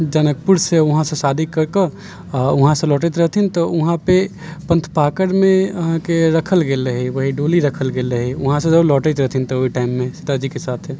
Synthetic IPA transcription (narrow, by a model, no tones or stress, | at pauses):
d͡ʒənək̚puɽseʊɦãsẽsaːd̪ʱikəɾkə | ʊɦãsẽlɔːʈət̪ɾəɦt̪ʰint̪oʊɦãpe | pə̃nt̪ʰpaːkəɾmẽɦãkeɾəkʰəlɡeːləɦiʋəɦiɖoːliɾəkʰəlɡeːləɦiʊɦãsẽd͡ʒəblɔːʈət̪ɾəɦt̪ʰint̪ooiʈaːɪmːẽsɪt̪ad͡ʒikesaːt̪ʰe